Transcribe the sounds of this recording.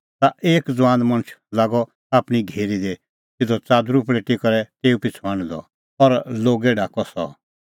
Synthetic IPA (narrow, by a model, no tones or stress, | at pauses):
t̪aʔeːkd͡zʋãːnd̪mɐ̃ñt͡ʃʰlaːɡɔ | aːpɽ̃iɡʱeːɾid̪e | t̪ɪd̪ɔt͡saːd̪ɾup̬lɛʈikɔɾɛt̪eːupɪt͡sʰãːñd̪ɔ̰ | ɔɾloːɡɛɖaːkɔsɔ̰